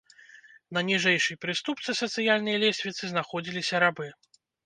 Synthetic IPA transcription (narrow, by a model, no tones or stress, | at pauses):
nɐnʲiʐɛjʂɨjpɾɨst̪upt̪sɨsɐt̪sɨjalʲnɐjɐlʲɛsʲvʲit̪sɨznaxɔd͡zʲilʲisʲɐɾabɨ